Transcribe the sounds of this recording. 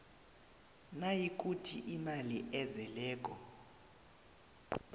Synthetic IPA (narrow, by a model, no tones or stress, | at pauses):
najik̬ʼutʰiʔimaliʔɛzɛlɛːk̬ʼɔ